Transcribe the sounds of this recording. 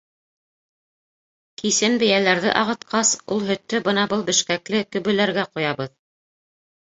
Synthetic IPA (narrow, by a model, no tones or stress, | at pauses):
kisɘnbɘ̆jælæɾðɘ̰ʔɑʁɤ̆t̪qɑsulˠɦɵ̆t̪ːɵbɤnɑbɤlˠbɘ̆ʃkæklɘkɵ̆βɵ̆læɾɡæqŏjɑβɤð